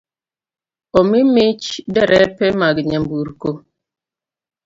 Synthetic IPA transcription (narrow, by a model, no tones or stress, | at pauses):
omimit͡ʃdeɾʔepemaɡɪɲam̩buɾuko